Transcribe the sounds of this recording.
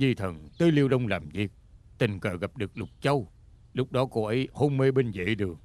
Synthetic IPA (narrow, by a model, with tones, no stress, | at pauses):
ɲi˧t̪ʰə˨˩nt̪ɨː˨˦li˧əwɗə˧wŋ͡mlaː˨˩mzi˨˩k̚t̪ï˨˩ŋ̟kəː˨˩ɣa˨˩p̚ɗɨ˨˩ək̚lʊ˨˩k͡p̚t͡ɕə˧w | lʊ˦˥k͡p̚ɗɔ˨˦ko˧ʔə˨˦jho˧ŋ͡mme˧ɓe˧nzḭ˧˨ɗɨ˨˩əŋ